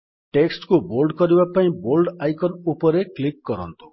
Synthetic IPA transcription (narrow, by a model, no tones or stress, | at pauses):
ʈeksʈkubolɖkɔɾibapaĩbolɖajkɔnupɔɾeklikːɔɾɔ̰nt̪u̥